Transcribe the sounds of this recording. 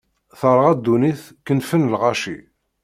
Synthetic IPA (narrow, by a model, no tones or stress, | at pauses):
θəɾˤʁæd̪ːuniθ | kənfənlʁaʃi